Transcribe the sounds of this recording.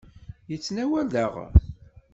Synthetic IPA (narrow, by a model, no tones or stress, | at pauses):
jət͡sːnæwæləʁ